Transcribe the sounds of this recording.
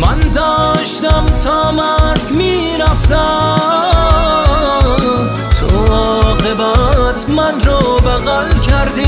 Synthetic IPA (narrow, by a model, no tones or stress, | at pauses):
mænd̪ɔːʃt̪amt̪ʰɔːmaɾɡmi | ɾaft̪a | t̪ʰo̰ɔːqebat̪ʰmanɾɔːbaɣalkʰæɾd̪i